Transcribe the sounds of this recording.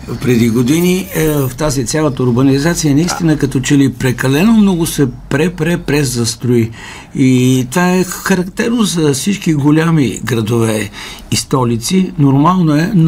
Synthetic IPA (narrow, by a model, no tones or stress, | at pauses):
pɾɛd̪iɡod̪inivft̪azit̪sʲjalˠət̪əʊɾbɐnizat̪sijənɐist̪inəkɐt̪ɔt͡ʃɛlipɾɛkɐlɛnomnɔɡʊsɛpɾɛpɾɛpɾɛzɐst̪ɾʊi | it̪ovaɛxɐɾɐkt̪ɛɾnozɐfsit͡ʃkiɡolʲamiɡɾɐd̪ovɛː | st̪ɔlit̪sinoɾmalˠnoɛn